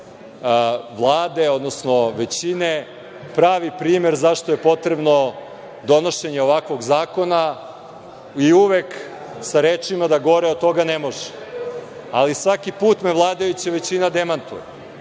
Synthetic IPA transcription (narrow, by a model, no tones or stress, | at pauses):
ʋlˠaːd̪eo̞d̪nosnoʋe̞t͡ɕine | pɾaːʋipɾiːme̞ɾzaʃt̪oje̞po̞t̪ɾebno̞ | d̪o̞noʃe̞ɲeoʋakʋo̞ɡzaːko̞na | iuʋek | saɾeːt͡ʂimad̪aɡo̞ɾeod̪̚t̪ːo̞ɡanemo̞ʒe̥ | alisʋakipuːt̪meʋlˠaːd̪ajut͡ɕaʋe̞t͡ɕinad̪emant̪ṵje